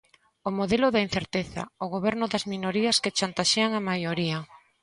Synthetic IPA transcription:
omoðelʊðain̟θeɾt̪eθɐ̰oɣoβɛɾnʊðɐzminoɾiɐsket͡ʃant̪aʃeaŋamajoɾia

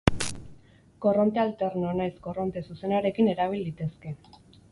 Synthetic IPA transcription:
ko̞ro̞nt̪ealt̪e̞ɾnonajsko̞ro̞nt̪e̞suse̞naɾe̞kine̞ɾaβ̞ild̪it̪e̞ske̞

